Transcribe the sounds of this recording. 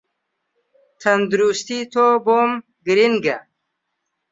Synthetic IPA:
t̪ʰɐnd̪uɾust̪it̪ʰobom | ɡiɾinɡa

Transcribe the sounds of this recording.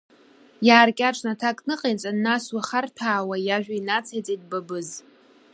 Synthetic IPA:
jaːrkʲʼaʈ͡ʂʰʼnatʰakʼnɨqʼejt͡sʼanːaswaχartʰaːwajaʒᶣʷainat͡sʰajt͡sʼejd̚babɨz

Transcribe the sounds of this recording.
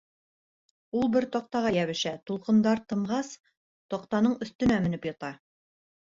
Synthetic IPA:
ulˠbɘɾt̪ɒq̚t̪ɑʁɑjæβɘ̆ʃæt̪ulˠqɤ̆nd̪ɑɾt̪ɤ̆ɴʁɑs | t̪ɒqt̪ɑnɤɴɵ̆θt̪ɵ̆næmɘ̆nɘpjɑ̆t̪ɑ

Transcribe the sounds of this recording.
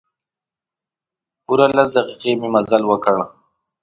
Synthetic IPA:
uɾalasd̪ɐqiqemimɐzalwəkəɽa

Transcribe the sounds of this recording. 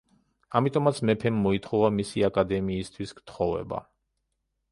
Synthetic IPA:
amit̪ʼɔmat̪sʰmɛpʰɛmːɔit̪ʰχɔvamisiakʼad̪ɛmiːst̪ʰwiskt̪ʰχɔvɛ̰ba̰

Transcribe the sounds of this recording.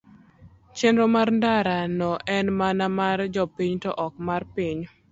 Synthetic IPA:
t͡ʃenɾomaɾndaɾanɔʔɛnmanamard͡ʒɔpiɲtɔʔɔk̚marpiɲ

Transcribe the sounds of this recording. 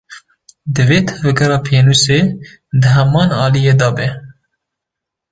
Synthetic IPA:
d̪ɨveːt̪ʰɛvɛɡɛɾɑːpʰeːnuseː | d̪ɨɦɛmɑːnɑːlijeːd̪ɑːbɛ

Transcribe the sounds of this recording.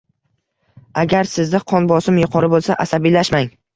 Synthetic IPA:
aɡʲaɾsɪzd̪ɪqʰɒnbɒsɪmjʊqʰɒɾɪbolˠsaʔasabilaʃmaŋ

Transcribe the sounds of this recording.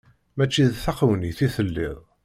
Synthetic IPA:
mæt͡ʃːiðθɑqəwniθiθəlːɪ̰ðˤ

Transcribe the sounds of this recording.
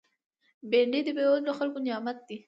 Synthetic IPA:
beɳɖid̪əbewaloxalkonɪjɑmat̪̚d̪i

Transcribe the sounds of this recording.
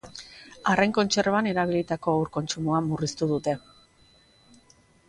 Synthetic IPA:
arejŋko̞nt͡ʃe̞rane̞ɾaβ̞ilit̪ako̞awɾko̞nt͡ʃumuamurist̪uð̞ut̪e̞

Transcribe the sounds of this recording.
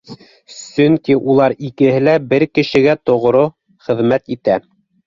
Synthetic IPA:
sɵŋkiʔulˠɑɾikɘ̆ɦɘlæbɘɾkɘ̆ʃɘ̆ɡæt̪ŏʁɾo | χɘ̆ðmæt̪it̪æ

